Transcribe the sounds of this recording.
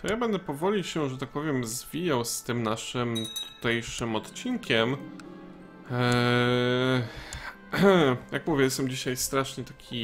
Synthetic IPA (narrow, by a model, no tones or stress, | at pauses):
jabɛnd̪ɛpɔvɔlʲiɕɛʐɛt̪ak̚pɔvʲjɛmzvʲijawst̪ɘmnaʂɘmt̪ʰu̥t̪ɛjʂɘmɔt̪t͡ɕinkʲɛm | jakmuvʲjɛjɛst̪ɛmd͡ʑiɕajst̪ɾaʂɲɛt̪akʲʰi